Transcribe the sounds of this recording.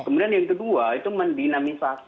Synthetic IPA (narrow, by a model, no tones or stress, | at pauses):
kəmudianjaŋkəduait̪uməndinamisas